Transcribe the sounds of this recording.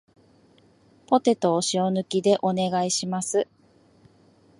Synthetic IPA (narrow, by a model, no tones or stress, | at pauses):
po̞t̪e̞t̪o̞ːɕio̞nɯ̟kʲid̪e̞ʔo̞ne̞ɡaiɕimasɨ